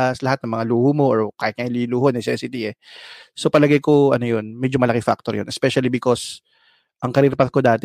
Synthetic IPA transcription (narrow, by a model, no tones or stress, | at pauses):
ʔslɐhat̪nɐŋmɐŋaluːhomo̞ʔoɹkaːhɪt̪ɲɐŋɪliluːhonɪsɛsɪt̪iɛso̞pɐlɐɡajkoʔɐnojonmɛd͡ʒomɐlɐkɪŋfa̰k̚t̪oɾjonʔɛspɛʃɐlibɪko̞s | ʔɐŋkɐɾiɾpɐt̪̚kod̪aːt̪ɛ